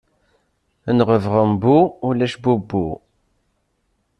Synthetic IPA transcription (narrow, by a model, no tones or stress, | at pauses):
ənʁəvʁəmbuulæʃbubːu